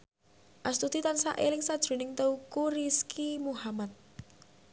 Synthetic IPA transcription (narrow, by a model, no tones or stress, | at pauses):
ʔast̪ut̪it̪ansa̰ʔelɪŋsad̥ʒ̥ṳnɪŋt̪eukuɾiskʰimuhamat̪̚